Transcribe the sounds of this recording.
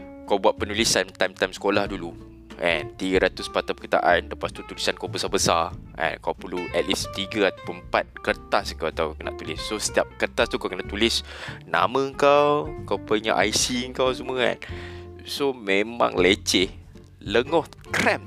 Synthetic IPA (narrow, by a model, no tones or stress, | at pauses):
kawbuaʔ̪̚pənulisamt̪ajmt̪ajmsə̥kolahdulu | ɛ̰nt̪iɡəɾat̪uspat̪apəkə̥t̪a̰ʔanləpast̪ut̪ulisankawbəsabəsaʔɛ̰̃nkawpəluʔɛt̪̚list̪iɡəat̪apupat̪̚kərt̪asŋkawat̪awkəna̰ʔt̪ulisːost̪iap̚kərt̪ast̪ukawkənaʔt̪ulɪsna̰mə̃əŋkawkawpəɲaʔajsiəŋkaws̬uməŋa̰t̚ | somẽmã̰ŋlət͡ʃɪh | ləŋɔhkɾɛm